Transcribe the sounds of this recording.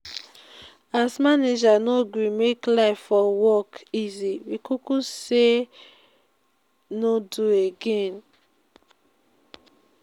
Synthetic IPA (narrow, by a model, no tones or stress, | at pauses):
asmaned͡ʒanoɡwĩmeklaɪfɔwɔkiziwikʰukuse | nodueɡẽn